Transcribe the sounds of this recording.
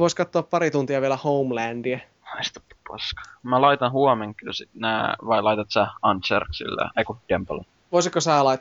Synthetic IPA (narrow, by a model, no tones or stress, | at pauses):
ʋoiskɑt̪ːoɑppɑɾit̪unt̪iɑʋieɛlæhoumlæːndiæ | ɑist̪u̥t̪ːi̥pɑskɑ̥mælɑit̪ɑnhuomeŋkːylsit̪næːʋɑilɑit̪ɑt̪sæɑnt̪sḛrksḭlːḛeikud̪̥empɑl | ʋoisik̪kosæːlɑit̪ː